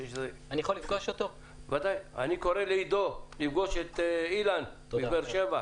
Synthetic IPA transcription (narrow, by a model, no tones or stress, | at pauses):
jeʃzeanijaxolifɡoʃot̪o | vad̪aja̰nikoʁeleid̪olifɡoʃet̪ːilan | ibeʁʃeva